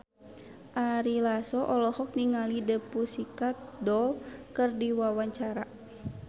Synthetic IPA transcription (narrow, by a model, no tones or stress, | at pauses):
ʔaɾilasɔʔɔlɔhɔk̚niŋalidəpusikat̪̚dɔlkɨrdiwawaɲt͡ʃaɾa